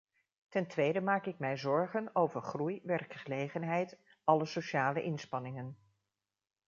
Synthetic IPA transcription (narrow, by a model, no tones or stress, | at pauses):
tɛntʋejdəmaːkɪkmɛjzɔɹχənowvəɹχrujʋɛrkχəlejχənɦɛjt | ɑləsoʃaːləʔɪnspɑnɪŋən